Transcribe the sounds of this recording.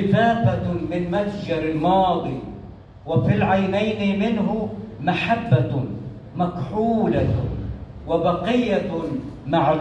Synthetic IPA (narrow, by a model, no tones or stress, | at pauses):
ɪfaːfamɪnmasd͡ʒɑɾˤɪlmɑːd̪ˤi | wafilʕajnajnɪmɪnɦʊmaħabːa | makħuːla | wabɑqɪjːamaʕ